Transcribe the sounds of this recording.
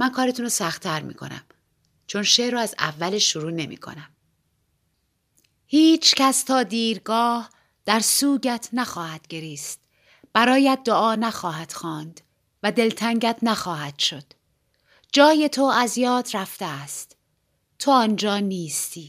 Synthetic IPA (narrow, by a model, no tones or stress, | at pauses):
mænkʰɒːɾeunɾosæxt̪ʰæɾmḭːkʰo̞̰næ̰m | t͡ʃʰo̞nʃeːʔɾɔːæzæ̰vːæleʃːoɾuːne̞mḭːkʰo̰næm | hiːt͡ʃʰcʰæst̪ʰɒːd̪iːɾɡɒːh | d̪̥æɾsuːɟæt̪ʰnæxɒːhæd̪̥ɟe̞ɾiːst̪ | b̥æɾɒːjæt̪̚d̪oʔɒːnæxɒːɦæt̪xɒːnd̪̥ | væd̪e̞lt̪ʰæŋɟæt̪ʰnæxɒːhæd̪̥ʃo̞d̪̥ | d͡ʒɒːje̞t̪ʰo̞æzjɒːd̪ɾæft̪eæst̪ | t̪ʰːo̞ɒːnd͡ʒɒːniːst̪ʰiː